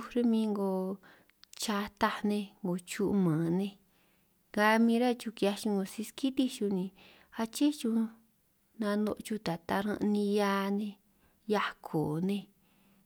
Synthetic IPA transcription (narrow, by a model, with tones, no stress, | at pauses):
u˧ɾe˦mĩ˧˦ŋɡo˧ | t͡ʃa˧t̪a˧nẽ˧ŋɡo˨t͡ʃu˦˧ʔmãː˨nẽ˧ | ɡa˧mĩː˧˦ɾa˦t͡ʃu˧ki˧a˧ʃĩ˧ŋɡo˧si˧ski˦t̪i˦ʃu˧nĩ˧ | a˧t͡ʃe˦t͡ʃu˧ | nã˧nõ̰˧ʔt͡ʃu˧t̪a˨t̪a˧ɾã̰˧ʔnĩ˧ja˧˦nẽ˧ | ja˧kʰo˨nẽ˧